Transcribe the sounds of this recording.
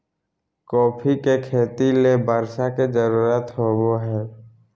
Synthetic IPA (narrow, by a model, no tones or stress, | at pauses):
kɔːpʰikekʰeːt̪ilebʱəɾʃaked͡ʒəɾuːɾət̪ɦoːboɦɛː